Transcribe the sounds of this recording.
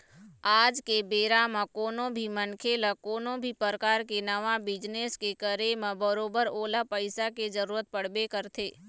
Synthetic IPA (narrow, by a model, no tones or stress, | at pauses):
aːd͡ʒkebeːɾamãkoːnõbʱimənkʰeləkoːnõbʱipəɾəkaːɾkenəʋabɪd͡ʒneskekəɾemãbəɾoːbəɾoːlapəɪsaked͡ʒəɾuːɾət̪̚pəɽbekəɾt̪ʰeː